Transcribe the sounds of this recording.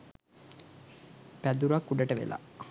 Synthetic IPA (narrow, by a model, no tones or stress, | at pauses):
pæd̪uɾakːuɖəʈəʋḛla̰